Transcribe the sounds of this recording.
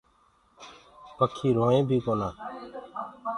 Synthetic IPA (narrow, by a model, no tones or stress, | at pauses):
pəkʰːiːɾoːẽːbʱiːkoːnaː